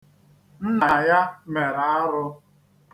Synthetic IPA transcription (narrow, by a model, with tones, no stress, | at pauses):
n̩˦na˨ja˦me˨ɾa˨a˦ɾʊ˦